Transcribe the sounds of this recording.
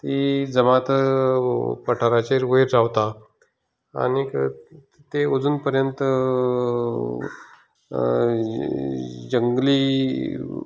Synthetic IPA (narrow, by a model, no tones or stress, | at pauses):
t̪id͡zəmat̪ | pəʈʰaɾat͡ɕeɾʋojɾd͡zaʋt̪a | a̰nik | t̪eod͡zuːnpəɾjənt̪ə | d͡ʑəŋɡli